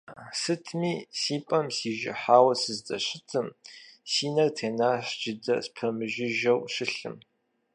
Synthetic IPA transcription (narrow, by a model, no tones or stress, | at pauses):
sɨtʰmiːsiːpʼɐmsiːʒɪ̰ħaːwɐsɨzdɐɕɪtʰɨmsiːnɐrtʰeːnaːɕd͡ʒɪdɐ̰spʰɐmɨʒɪʒɐwɕɪɬɨ̰m